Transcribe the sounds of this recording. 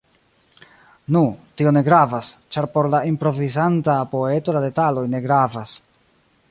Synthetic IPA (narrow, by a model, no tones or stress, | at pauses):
nutio̞ne̞ɡɾavast͡ʃaɾpo̞ɾlaimpɾo̞vizantapo̞e̞to̞lade̞talo̞jne̞ɡɾavas